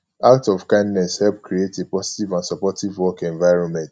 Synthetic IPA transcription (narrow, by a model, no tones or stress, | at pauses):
ak̚tɔvkãɪ̃ndnɛshɛlpkɾietepɔsi̥tivãnsɔpɔtivwɔkɛ̃ɱvaɪɹɔ̃nmɛ̃nt